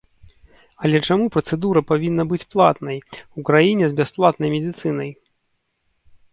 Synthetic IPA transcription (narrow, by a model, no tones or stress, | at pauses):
ɐlʲɛt͡ʂamupɾɐt̪sɛd̪uɾɐpavʲinːɐbɨt͡sʲplˠat̪nɐjukɾajinʲɛzbʲɛsplˠat̪nɐjmʲɛd̪ʲɨt̪sɨnɐj